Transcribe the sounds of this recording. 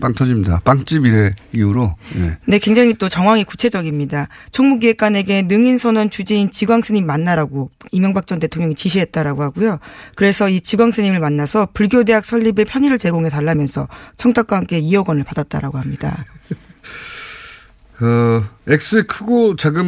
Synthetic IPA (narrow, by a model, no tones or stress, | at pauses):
p͈aŋtʰʌd͡ʑimɲida̰paŋt͡ɕ͈ibiɾeiuɾonḛne̞kwe̞ŋd͡ʑaŋit͈ot͡ɕʌŋɦwaŋiku̥t͡ɕʰe̞d͡ʑʌɡimɲidat͡ɕʰʌŋmuɡiek͈ane̞ɡe̞nɯŋinsʰʌnʌnt͡ɕud͡ʑiːnt͡ɕiɡwaŋs͈ʰɯɲimːanːaɾaɡoimjʌŋbak̚t͡ɕ͈ʌnte̞tʰoŋɲjʌŋit͡ɕiɕʰiɦe̞t̚t͈aɾaɡohaɡujokɯɾe̞sʰʌit͡ɕiɡwaŋsʰɯɲimɯɭmanːasʰʌpuɭɡjode̞ɦak̚sʰʌʎːibe̞pʰjʌɲiɾɯɭt͡ɕe̞ɡoŋe̞taɭːamjʌnsʰʌt͡ɕʰʌŋtʰak͈aɦamk͈e̞iʌɡʌnɯɭpadat̚t͈a̰ɾa̰ɡoɦamɲida̰ | ʌek̚s͈ɯekʰɯɡot͡ɕaɡɯm